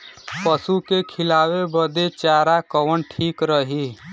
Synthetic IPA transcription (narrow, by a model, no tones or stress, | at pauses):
pəsukekʰɪlaːwebəd̪et͡ʃaːɾakəwəɳʈʰiːkɾəɦiː